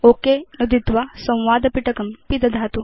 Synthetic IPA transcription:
oːkenɐd̪id̪ʋasɐ̃w̃ʋaːd̪ɐpiʈɐkɐmpid̪ɐd̪ʱaːt̪u

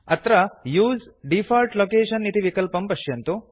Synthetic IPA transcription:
ɐt̪ɾɐjuːzɖifʰaːlʈloːkeːʂɐnːit̪iʋikɐlpɐmpɐʂjɐnt̪u

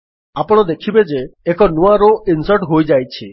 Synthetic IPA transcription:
apɔɽ̃ɔd̪ekʰibed͡ʒeːkɔnuaɾoʔinsəɾʈɦojd͡ʒajt͡ʃʰi

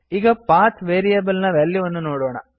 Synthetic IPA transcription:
iːɡɐpaːt̪ʰʋeːɾijɐbɐlnɐʋeɭːiʋɐnːunoːɽoːɳɐ̰

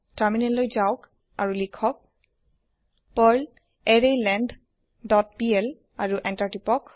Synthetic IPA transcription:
taɹminɛllojzawk | a̰ɹulikʰɔk̚ | pɔl | ɛɹejlɛnd | dɔt̚piɛl | aɹuʔɛntaɹtipɔk

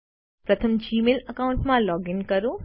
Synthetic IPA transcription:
pɾɐt̪ʰəmd͡ʒiːmelɐkaːʊɳʈmãlɔːɡɪnkɐɾoː

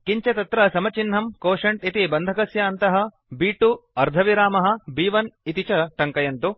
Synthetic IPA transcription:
kiɲt͡ʃɐt̪ɐt̪ɾɐsɐmɐt͡ʃinːɦɐmkoːʂɐɳʈit̪ibɐnd̪ʱɐkɐsjɐːnt̪ɐɦɐ̆ | biːʈuɐɾd̪ʱɐʋiɾaːmɐɦɐ̆biːʋɐnit̪it͡ʃɐʈɐŋkɐjɐnt̪u

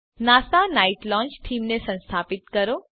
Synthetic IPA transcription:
naːsanaiʈlɔ̃ːnt͡ʃʈʰiːmnesə̃nst̪ʰaːpɪt̪kəɾo

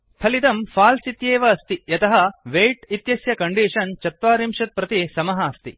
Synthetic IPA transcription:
pʰɐlit̪ɐmfʰaːlsit̪jeːʋɐːst̪ijɐt̪ɐɦɐʋeːjʈit̪jɐsjɐkɐɳɖiːʂɐnt͡ʃɐt̪ʋaːɾimʂɐt̪̚pɾɐt̪isɐmɐɦɐːst̪i

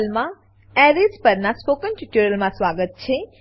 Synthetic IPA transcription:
lmã | ɛɾespəɾnaspokənʈiʈuɾəlmãsʋaɡət̪̚t͡ʃʰe

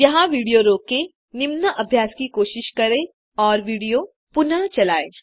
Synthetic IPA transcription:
jɐɦãʋiːɽijoɾoːke | nɪmnəʔɐbʱjaːskikoːʃɪʃkɐɾẽ | ɔːɾʋiːɽijo | pʊnat͡ʃɐlaːḛː

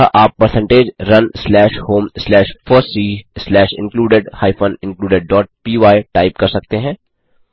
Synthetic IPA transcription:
aʔaːpːəɾsə̃ɳʈeːd͡ʒɾɐnslɛːʃhoːmslɛːʃfʰɔːɾsiːslɛːʃɪ̰̃nkluːɖeɖhaːɪfʰə̃nɪ̃nkluːɖeɖ̚ːɔːʈ̚piːʋaːɪʈaːɪp̚kɐɾsɐk̚t̪eɦɛ̃ː

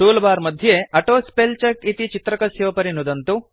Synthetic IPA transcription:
suːlɐbaːɾmɐd̪ʱjeɐʈoːspelt͡ʃɐkit̪it͡ʃit̪ɾɐkɐsjɐʋpɐɾinud̪ɐnt̪u

